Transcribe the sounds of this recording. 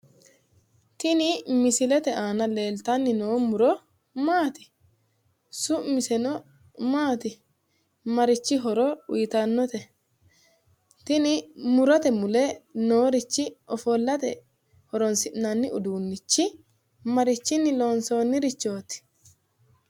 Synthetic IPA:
t̪ɪnɪmɪsɪlɛt̪ɛaːnɐle̞ːlt̪ɐnːɪnoːmʊɾɔ | maːt̪ɪ̥ | sʊmɪsɛnɔ | maːt̪ɪ | mɐɾɪt͡ʃːɪɦɔɾɔwḭjt̪ɐnːɔt̪ɛ | t̪ɪnɪmʊɾɔt̪ɛmʊlenoːɾɪt͡ʃːɪʔɔfoːlːɐt̪ɛ̰ | hɔɾɔnsɪʔnanːɪʊd̪uːnːɪt͡ʃːɪ | mɐɾɪt͡ʃːɪnːɪlo̞ːnsoːnːɪɾɪt͡ʃːo̞ːt̪ɪ̥

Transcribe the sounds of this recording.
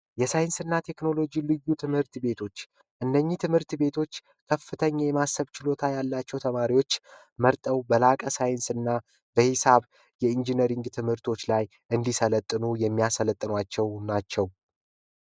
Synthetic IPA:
jɛsajɪnsɨnːat̪ʰe̞kno̞lo̞d͡ʒilɨjːut̪ʰɨmhɨɾt̪be̞t̪ʰo̞t͡ʃː | ʔɨnːəɲːit̪ʰɨmhɨɾt̪be̞t̪ʰo̞t͡ʃː | kʰəfːɨt̪ʰəɲːajɛmasəβt͡ʃɪlo̞t̪ʰajalːat͡ʃːɛwt̪ʰəmaɾiwo̞t͡ʃː | məɾt̪ʼəwbəlakʼəsajɨnsɨnːa | bəhɪsaβ | jɛind͡ʒinəɾiŋɡt̪ʰɨmhɨɾt̪ʰo̞t͡ʃːlaj | ʔɨnd̪isələt̪ʼːɨnujɛmːijasələt̪ʼːɨnwat͡ʃːɛwnat͡ʃːɛw

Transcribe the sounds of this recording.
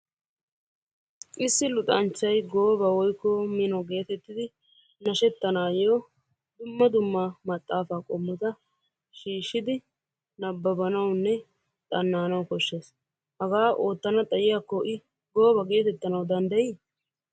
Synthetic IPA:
ʔɪsːɪlʊt̪ʼɐnt͡ʃːɐjɡo̞ːbɐwɔjkːɔmɪnɔɡe̞ːt̪ɛt̪ːɪd̪ɪ | nɐʃɛt̪ːɐnaːjo | d̪ʊmːɐd̪ʊmːamɐt̪ʼːaːfaːkʼɔmːʊt̪ɐ | ʃiːʃːɪd̪ɪ | nɐbːɐbɐnɐwnːɛ | t̪ʼɐnːaːnɐwkɔʃːe̞ːs | hɐɡaːʔo̞ːt̪ːɐnɐt̪ʼɐjɪjakːɔʔɪ | ɡo̞ːbɐɡe̞ːt̪ɛt̪ːɐnɐwd̪ɐnd̪ɐjiː

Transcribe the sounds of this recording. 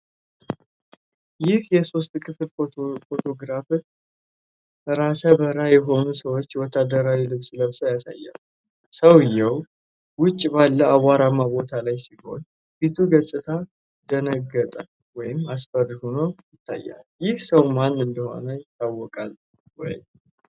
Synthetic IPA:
jɪhjɛso̞st̪kʰɨfɨlofo̞t̪ʰo̞ɡɾafɨ | ɾasəbəɾajɛɦo̞nusəwot͡ʃːjwɔt̪ʰːad̪əɾawilɨβsləβsəwjasa̰jːa̰l | səwɪjːɛw | wʊt͡ʃʼːbalːəawaɾamabo̞t̪ʰalajsiho̞̰ɲ | fit̪ʰuɡəsʼɨt̪ʰa | d̪ənəɡːət̪ʼal | wɔjɪmasfəɾhunojɪt̪ʰːa̰jːa̰ljɪhsəwmanːɨnd̪əho̞̰nəjɪt̪ʰːawːɔkʼa̰l | wɔ̰j

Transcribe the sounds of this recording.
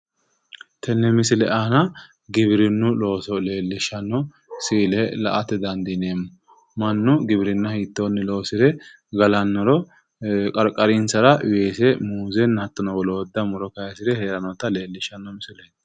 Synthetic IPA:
t̪ʰɛnːɛmɪsɪlɛʔaːnɐ | ɡɪβɪɾɪnːʊlo̞ːsɔle̞ːlːɪʃːɐnːɔ | sɪːlɛlɐ̰ʔɐt̪ːɛd̪ɐnd̪ineːmːʊ | mɐnːʊɡɪbɪɾɪnːɐhiːt̪ːonːɪlo̞ːsɪd̪ɛ | ɡɐlɐnːɔɾɔ | kʼɐɾkʼɐɾɪnsɐɾɐweːsɛmuːzɛnːɐt̪ːɔnɔwɔlɔːd̪ːɐmʊɾɔkɐjɐsɪd̪ɛheːɾɐnɔt̪ːɐle̞ːlːɪʃːɐnːɔmɪsɪle

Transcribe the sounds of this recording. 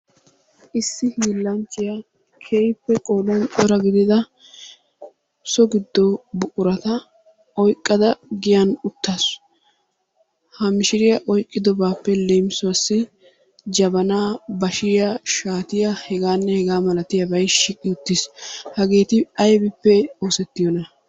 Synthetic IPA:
ʔɪsːɪhiːlːɐnt͡ʃːɪjɐ | kʰejpːɛkʼoːlɔntʼɔɾɐɡɪd̪ɪd̪ɐ | sɔɡɪd̪ːɔbʊʔʼʊɾɐt̪ɐ | ɔjkʼːɐd̪ɐɡɪjɐnʊt̪ːas | hɐmɪʃɪɾɪjɐʔɔjkʼːɪd̪ɔbaːpːɛlejmsʊɐsːɪ | d͡ʒɐbɐnaːbɐʃɪjɐʃaːt̪ɪjɐhɛɡaːnːɛhɛɡaːmɐlɐt̪ɪjɐbɐjʃɪkʼːɪʊt̪ːɪshɐɡeːt̪ɪɐjbɪpːɛoːsɛt̪ːɪjɔnɐ

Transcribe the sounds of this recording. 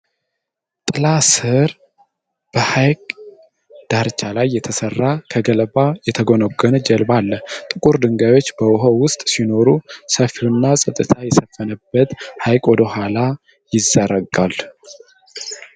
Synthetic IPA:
t̪ʼɨlasɨɾ | b̥əhajkʼ | d̪̥aɾt͡ʃʰːalajːɛt̪ʰəsərːakʰəɡəlbajɛt̪ʰəɡo̞noɡənd͡ʒɛlbalːət̪ʼɨkʼuɾd̪ɨŋɡajwo̞t͡ʃːbəwɦowʊst̪ʼsino̞ɾusəfiunːasʼət̪ʼːɨt̪ʰajɛsəfːənəbːət̪hajkʼwɔd̪əɦʷala | jɪzːəɾəɡal

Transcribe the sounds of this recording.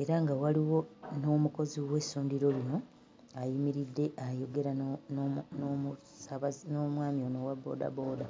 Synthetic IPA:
e̞ɾaŋɡawaliwo̞no̞ːmuko̞ziwe̞suːndiɾo̞lino̞ | ajimiɾidːe̞ʔajo̞ɡe̞ɾa | mu | saβanomwaːmionowabo̞̰da̰bo̞ːda

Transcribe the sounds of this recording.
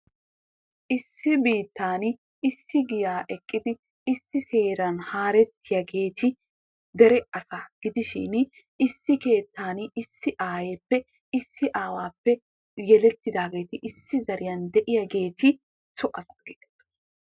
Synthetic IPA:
ʔɪsːɪbiːt̪ːaːn | ɪsːɪɡɪjaːʔɛkʼːɪd̪ɪ | ɪsːɪse̞ːɾɐnhaːɾɛt̪ʰːɪjɐɡe̞ːt̪ʰɪ | d̪ɛɾɛʔɐsaɡ̥ɪd̪ɪʃɪ̰n | ɪsːɪke̞ːt̪ːaːnɪsːɪʔaːjeːpːɛ | ɪsːɪʔaːwaːpːɛ | jɛlɛt̪ːɪd̪aːɡe̞ːt̪ɪʔɪsːɪzɐɾɪjɐnd̪ɛʔɪjɐɡe̞ːt̪ʰɪ | t͡sɔʔɐsɐɡ̥eːt̪ɛ̥ɐ̥

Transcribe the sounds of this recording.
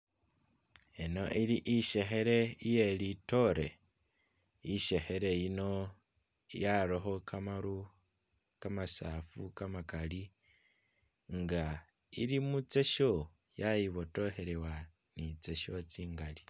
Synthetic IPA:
eno̞̰ʔiliʔiʃe̞xe̞ɾe̞ije̞lito̞ɾe̞ | iʃe̞xeɾe̞jino̞ | jaɾoxo̞kʰamaɾu | kamasafukamakali | ŋɡa | ḭlimut͡se̞ʃo | jajiβo̞to̞he̞ɾewa | nit͡seʃo̞t͡siːŋɡali

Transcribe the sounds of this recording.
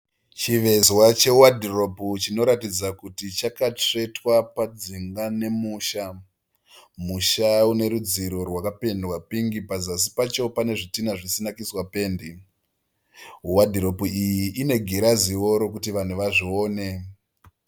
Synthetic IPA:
t͡ʃiʋe̞zwat͡ʃe̞uwadʱiro̞put͡ʃino̞ɾatid͡zakutit͡ʃakate̞twapad͡ziŋɡane̞muːʃa | muʃaune̞ɾud͡ziɾo̞rwakape̞ndwapiŋɡipazas̬i̥pat͡ʃo̞pane̞ʐitinaʐisinakiswape̞ːndi | ɦuwadʱiɾo̞puijiʔːne̞ɡʱiɾaziwo̞ɾo̞kutiʋan̤uʋaʐio̞ːne̞

